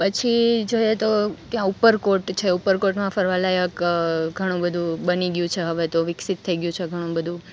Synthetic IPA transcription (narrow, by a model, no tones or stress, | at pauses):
pət͡ʃʰid͡ʒojet̪okjãupəɾkoʈt͡ʃʰeupəɾkoʈmãfəɾʋalajəkɡʱəɽ̃ũbəd̪ʱũbəniɡjũt͡ʃʰeɦəʋet̪oʋɪksit̪ʰːəiɡjũt͡ʃʰeɡʱəɽ̃ũbəd̪ʱũ